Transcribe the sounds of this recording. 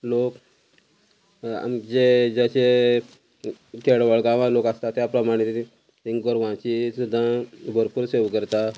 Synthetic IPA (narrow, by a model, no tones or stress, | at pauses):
lok | a̰md͡ʑed͡ʑaɕe | kʰeɽʋəɭɡãʋãlokast̪at̪japlamaɽ̃it̪ | ĩŋɡɔɾʋãt͡ɕisud̪ʱːãbʱəɾpuːɾseʋkəɾt̪a